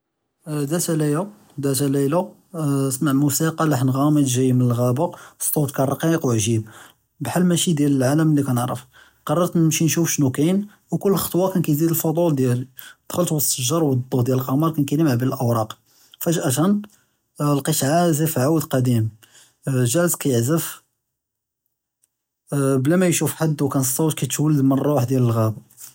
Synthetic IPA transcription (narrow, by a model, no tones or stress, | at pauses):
d̪æt̪ælælu | d̪æt̪ælælu | smaʕmusiqɑlɑħnɣɑməd̪ʒæjmənəlɣæbost̪ˤut̪kærˤɑqiqwʕʒib̚ | bħalːmæʃid̪jæləlʕaləmlːikænəʕɾˤə̰f | qɑrˤːɑɾˤt̪nəmʃinʃufʃnukæn | wkʊlːxɑ̥t̪ˤwɑkænkæjzid̪əlfod̪ˤuld̪jæld̪̥xəlt̪wəsˤːəʒːɑɾˤwɑd̪ˤːud̪jæləlqɑmɑɾˤkænkæjnəmʕbələlʔəwɾˤɑq | fæʒʔæt̪æn | lqiʃʕazæfiʕawəd̪qɑd̪im | ʒælskæjəʕzəf | blæmæjʃufħad̪ːwkænsˤːɑwt̪kæt̪wəlːəd̪mənrˤɑwaħd̪jæləlɣæb